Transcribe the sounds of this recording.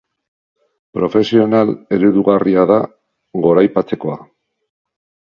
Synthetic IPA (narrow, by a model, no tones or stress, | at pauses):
pɾo̞fe̞sio̞nale̞ɾuðuɣariaða | ɣo̞ɾajpat͡se̞ko̞a